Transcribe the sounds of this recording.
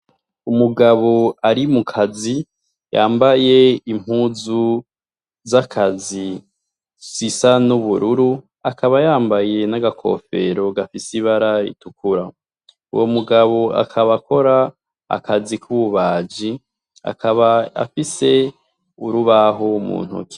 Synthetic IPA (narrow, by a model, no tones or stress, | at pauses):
umuɡaβo̞aɾimukʰazi | jaːmbaje̞im̥huːzu | zakʰazi | sisanuβuɾuɾu | akʰaβajaːmbaje̞naɡakʰo̞̰fe̞ɾo̞ɡafisiβaɾaḭtukuɾa | ṵwomuɡaβo̞a̰kʰaβakʰo̞ɾa | a̰kʰazikʰuβuβaːd͡ʒi | a̰kʰaβaa̰fise̞ | uɾuβaɦomṵːn̥hṵki̥